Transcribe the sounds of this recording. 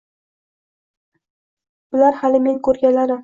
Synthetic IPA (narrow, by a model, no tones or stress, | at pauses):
b̥ʊlaɾhalɪme̞ŋkʰɵɾɡʲalaɾɪ